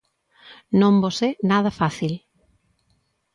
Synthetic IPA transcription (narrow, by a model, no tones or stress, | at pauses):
nõmbosenað̞ɐfaθil